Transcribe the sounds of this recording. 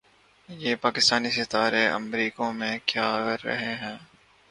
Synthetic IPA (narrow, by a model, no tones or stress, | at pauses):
jeːpaːkɪst̪aːnisɪt̪aːɾeʔɐ̰mɾiːkõmẽkjaːəɾːɐ̰ɦeɦɛ̃ː